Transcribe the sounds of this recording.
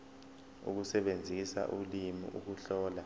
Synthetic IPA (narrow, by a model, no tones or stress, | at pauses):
ṵk̬usɛɓend͡zʱisa̰ʔulimḭʔṵk̬uɬɔːla